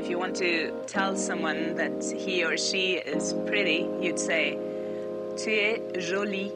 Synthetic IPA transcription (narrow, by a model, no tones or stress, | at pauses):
ɨfjɨwɑ̃ntʰɨ | tʰɛlˠsʌ̃mwʌ̃nðɨt̚ | hiə˞ʃiɪz̥pʰɹ̥ɪɾijɨd̥seɪ | tʰʉ | ʒoli